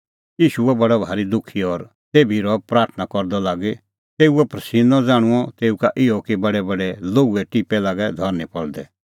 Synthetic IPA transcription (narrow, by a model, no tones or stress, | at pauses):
jiːʃuɛbɐɽɔbʱaːɾid̪ʊkʰːiɔɾ | t̪eːbʱiɾɔpɾaːɾt̪ʰnakɔɾd̪ɔlaːɡe | t̪eːuɛpɾɐsiːnɔ̃d͡zaːɽ̃ũɔt̪eːukaʔɪɔkibɐɽɛbɐɽɛloːɡuɛʈipɛlaːɡɛd̪ʱɔɾnipɔɭd̪ɛ